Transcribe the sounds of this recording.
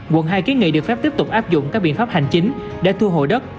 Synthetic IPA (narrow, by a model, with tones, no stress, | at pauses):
ɣwə̰˧˨nɦaː˧jki˨˦ŋḭ˧˨ɗɨ˨˩əkfɛ˦˥p̚t̪i˦˥əp̚t̪ʊ˨˩k͡p̚ʔaː˦˥p̚zʊ̰˧˨ŋ͡mkaː˦˥k̚ɓḭ˧˨ənfaː˦˥p̚ha˨˩jŋ̟t͡ɕï˨˦ŋ̟ | ɗḛ˧˥t̪ʰu˧əɦo̰˧˨jɗə˦˥t̚